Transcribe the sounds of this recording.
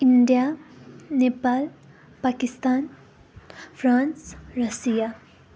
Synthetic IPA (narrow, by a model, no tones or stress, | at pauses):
iɳɖija | nepal | pakist̪aːn | fʰɾaːnsɾɐsija